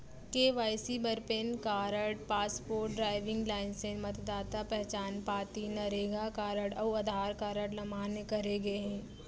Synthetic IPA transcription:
keːʋaːɪsibɐɾpeːnkaːɾəɽpaːspoːɾʈ̚ɖɾaːɪʋɪ̃ŋɡlaːɪnsẽmɐt̪d̪aːt̪apɛɦt͡ʃaːnpaːt̪inɐɾeːɡakaːɾəɽɐʋɐd̪ʱaːɾkaːɾəɽlɐmʱaːnekɐɾeɡɐeɦɛ̃ː

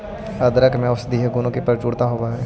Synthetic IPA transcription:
əd̪ɾəkmẽʊsd̪iːɦɡunõkipəɾt͡ʃuːɽt̪aɦoːbaɦɛː

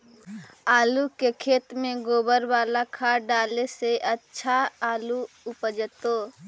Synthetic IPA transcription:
aːlukekʰeːt̪mẽɡoːbəɾwaːlakʰaːɖaːleseʔətːʃʰaaːlu | ʊpəd͡ʒət̪oː

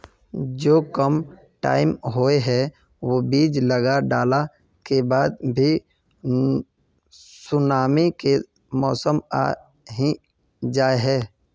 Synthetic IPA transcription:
d͡ʒoːkəm | ʈa̰ːɪmɦoeɦɛ | ʋoːbiːd͡ʒləɡaɖaːla | kebaːd̪bʱi | sʊnaːmike | mɔːsəma̰ː | ɦĩ | d͡ʒaːeɦɛː

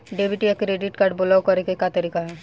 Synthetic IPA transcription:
ɖeːbʱɪʈiɐkɾeːɖɪʈkaɾɖ̚bʊlakɐɾekekat̪ɐɾiːkaɦɛː

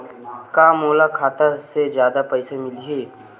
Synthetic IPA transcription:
kaːmoːlakʰaːt̪ased͡ʒjaːd̪apɛːsemɪliɦeː

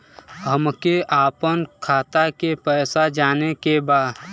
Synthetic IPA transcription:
ɦəmkeʔaːpənkʰaːt̪akepɛːsad͡ʒaːnekebaːd̪

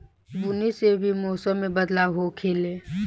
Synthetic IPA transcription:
bʊnisebʱimoːsəmːẽbəd̪laːwɦokʰeːle

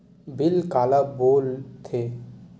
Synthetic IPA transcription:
bɪlkaːlaboːlt̪ʰeː

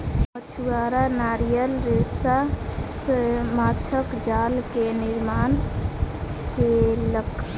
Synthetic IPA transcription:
pət͡ʃʰuwaɾanaɾijəlɾesasəmat͡ʃʰəkd͡ʒalkeniɾman | t͡ʃelək

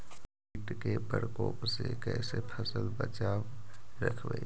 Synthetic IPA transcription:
iːʈkepəɾkɔːpsekɛːsepʰəsəlbət͡ʃaːwɾə̰kʰbḛ

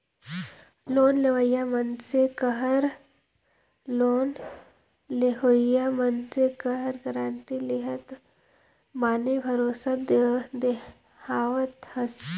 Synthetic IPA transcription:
loːnleʋəjamənsekəɦəɾ | loːn | leɦoːjamənsekɐɦəɾɡəɾãːɳʈileɦət̪ | maːnebʱɐɾoːsad̪d̪e | haːʋət̪həs

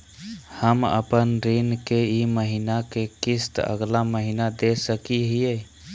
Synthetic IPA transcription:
həmə̰pənɾinkeiməɦinakekist̪ə̰ɡlaməɦinad̪esəkiɦije

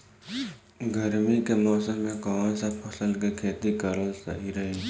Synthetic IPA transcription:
ɡəɾmikemɔːsəmːẽkɔʋãsapʰɐsəlkekʰeːt̪ikəɾəlsə̰ɦiɾəɦi

